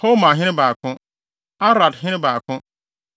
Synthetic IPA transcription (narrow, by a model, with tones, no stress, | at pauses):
ho˦mã˨ɦɪ̃˦ɾɪ̃˦baː˨kʰʊ̃˦ | a˦ɾa˨dɦɪ̃˦nɪ˦baː˨kʰʊ̃˦